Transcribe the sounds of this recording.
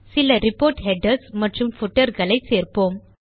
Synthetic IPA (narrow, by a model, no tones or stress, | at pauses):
sɪlɐɾɪpoːɾʈɦɛɖɐɾsmɐʈrɯmfʊʈːɐɾɣɐɭɐɪseːɾpoːm